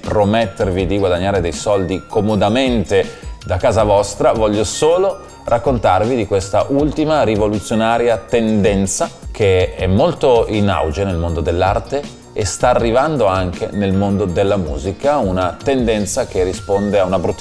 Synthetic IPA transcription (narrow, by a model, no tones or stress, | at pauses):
pɾomet̪ːervid̪iɡwad̪aɲːaːɾed̪ejsɔld̪ikomod̪ament̪ed̪akaːzavɔst̪ɾavɔʎːosoːlo | rʔakːont̪arvid̪ikwest̪aʔult̪imaɾivolut̪sːjonaːɾjat̪end̪ɛnt̪sak̟eɛmːolt̪oina̰wd͡ʒenelmond̪od̪elːart̪eː | st̪aːrːivand̪oaŋk̟ḛnelmond̪od̪elːamṵːzikaunat̪end̪ɛnt̪sak̟erːispond̪eaunabɾut̪ː